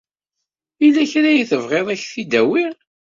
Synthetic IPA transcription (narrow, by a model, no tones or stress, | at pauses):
ilːæçɾæjiθəvʁeðˤæçθid̪æwiʁ